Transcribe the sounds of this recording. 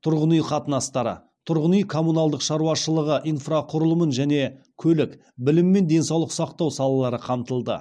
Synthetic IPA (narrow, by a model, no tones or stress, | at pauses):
t̪ʰʊɾʁənijqʰɑt̪ənɑst̪ɑɾə̰ | t̪ʰʊɾʁənyjkʰo̞munɑlˠd̪əqʃɑɾuwɑʃəlˠəʁəʔijnfraqʰʊɾəlˠəmənʒæne̞ | kʲʰɵlɪk | bɪlɪmːe̞nd̪e̞nsɑwlˠəqsɑqt̪ɑwsɑlˠɑlˠɑɾəqʰɑmt̪əlˠd̪ə̰